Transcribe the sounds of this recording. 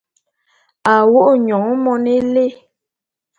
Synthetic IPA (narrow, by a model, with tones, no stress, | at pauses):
a˨wo˦ʔɲɔ˨ŋ˦mɔ˦ne˦le˦˨